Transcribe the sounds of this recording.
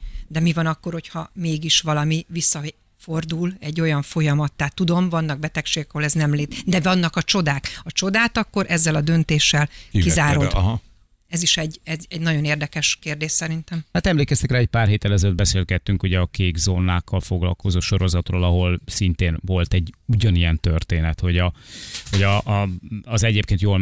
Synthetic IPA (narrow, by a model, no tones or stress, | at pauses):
d̪ɛmivɒnɒkːo̞rho̞chɒmeːɡiʃʋɒlɒmivisːɒ | fo̞rd̪ulɛɟːo̞jɒɱfo̞jɒmɒt̪ːaːt̪ːud̪o̞mvɒnːɒɡ̚bɛt̪ɛkʃeːɡɛkɒɦo̞lɛznɛmleːt̪d̪ɛvɒnːɒkɒt͡ʃo̞d̪aːkɒt͡ʃo̞d̪aːt̪ɒkːo̞ɾʔɛzːɛlɒd̪ø̞nt̪eːʃːɛlkkizaːɾo | ɛziʃɛɟɛzɛɟnɒɟo̞neːrd̪ɛkɛʃkeːrd̪eːʃsɛɾint̪ɛmhaːt̪ɛmleːkɛst̪ɛkraːɛc̚paːrɦeːt̪ːɛlɛzɛlød̪bɛseːlɡɛt̪ːyŋkuɟɛɒkeːɡzoːnaːkʰːɒlfoɡlɒ̰lko̞zoːʃo̞ɾo̞zɒt̪roːlɒɦo̞lsint̪eːnvo̞lt̪ɛɟuɟɒnijɛnt̪ørt̪eːnɛt̪ho̞ɟɒho̞ɟɒʔːzɛɟeːpkeːnt̪joːl